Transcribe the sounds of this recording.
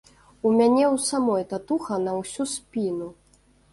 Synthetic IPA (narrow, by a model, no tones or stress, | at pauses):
umʲanʲɛwsamɔjt̪at̪uxɐnɐwsʲusʲpʲinu